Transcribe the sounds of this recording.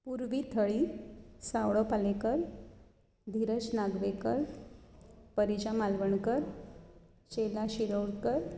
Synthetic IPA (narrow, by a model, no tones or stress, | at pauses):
puɾʋit̪ʰəɭiːsawɭɔpalekəɾ | d̪ʱiɾət͡snaɡʋekəɾ | pəɾid͡ʑamalʋəɳkəɾ | t͡ɕelaɕiɾəwɽkəɾ